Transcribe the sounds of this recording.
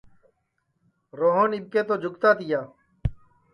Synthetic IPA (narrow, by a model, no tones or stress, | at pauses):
ɾoːɦõːnɪɓ̚keːt̪oːd͡ʒʱʊkt̪aːt̪ɪjaː